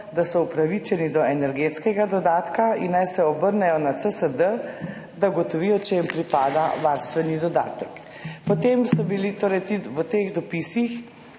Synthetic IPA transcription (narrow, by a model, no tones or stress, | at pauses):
d̪asɔupɾaʋit͡ʃɛnid̪ɔɛnɛɾɡet̪skɛɡad̪ɔd̪aːt̪kainːajsɛɔbəɾnɛjɔnat̪səsəd̪ə | d̪aɡɔt̪ɔʋijɔt͡ʃɛjimpɾipaːd̪aʋaɾst̪ʋɛnid̪ɔd̪a̰ːt̪ək | pɔt̪emsɔbilit̪oːɾɛjt̪iʋət̪eɣd̪ɔpisix